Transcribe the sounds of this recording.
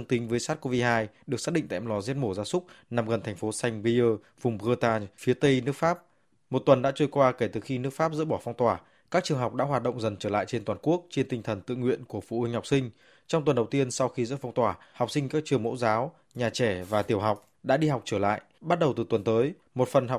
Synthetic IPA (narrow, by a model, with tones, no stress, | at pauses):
ŋt̪ï˨˦ŋ̟vəː˨˦jsaː˦˥t̚ko˧vi˧haː˧jɗɨ˨˩ək̚saː˦˥ɗḭ˧˨ŋt̪aː˧˨˩lɔ˨˦zi˦˥ət̚mo˧˩zaː˧sʊ˦˥k͡p̚na˨˩mɣə˨˩nt̪ʰɛ˨˩ŋ̟fo˨˦sa˧jŋ̟vi˧əː˧ | vʊ˨˩ŋ͡mɣəː˧t̪aː˧fi˨˦ət̪ə˧jnɨ˦˥əkfaː˦˥p̚ | mo˨˩t̚t̪wə˨˩nɗa̰ː˧˥t͡ɕu˧jkwaː˧ke˧˩t̪ɨ˨˩xi˧nɨ˦˥ək̚faː˦˥p̚zɨ̰˧˥ɓɔ˧˩fɔ˧wŋ͡mt̪waː˧˩ | kaː˦˥k̚t͡ɕɨ˨˩əŋɦa˨˩wk͡p̚ɗa̰ː˧˥ɦwaː˨˩t̚ɗə̰˧˨wŋ͡mzə˨˩nt͡ɕəː˧˩la̰ː˧˨jt͡ɕe˧nt̪waː˨˩nku˦˥ək̚t͡ɕe˧nt̪ï˧ŋ̟t̪ʰə˨˩nt̪ɨ̰˧˨ŋwḭ˧˨ənku˧˩əfṵ˧˩hï˧˩ŋ̟ha˨˩wk͡p̚sï˧ŋ̟ | t͡ɕɔ˧wŋ͡mt̪wə˨˩nɗə˨˩wt̪i˧ənsa˧wxi˧zɨ̰˧˥fɔ˧wŋ͡mt̪waː˧˩ha˨˩wk͡p̚si˧ŋ̟kaː˦˥k̚t͡ɕɨ˨˩əŋmo̰˧˥zaː˨˦w | ɲaː˨˩t͡ɕɛ˧˩vaː˨˩t̪i˨˩əwɦa˨˩wk͡p̚ | ɗa̰ː˧˥ɗi˧ha˨˩wk͡p̚t͡ɕəː˧˩la̰ː˧˨jʔɓa˦˥t̚ɗə˨˩wt̪ɨ˨˩t̪wə˨˩nt̪əː˨˦j | mo˨˩t̚fə˨˩nɦa˨˩